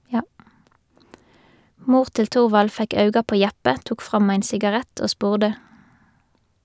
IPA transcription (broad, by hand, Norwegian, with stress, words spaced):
ˈmuːʁ ˈtɪl ˈtʊʁʋɑl ˈfɛk ˈɑʉɡɑ ˈpoː ˈjæpə ˈtuːk ˈfʁɑm ˈæɪn sɪɡɑˈʁæt ˈoː ˈspuːʁdə